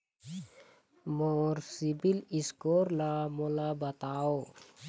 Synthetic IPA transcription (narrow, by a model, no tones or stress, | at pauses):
mɔrsibiliskɔrlamolabat̪ao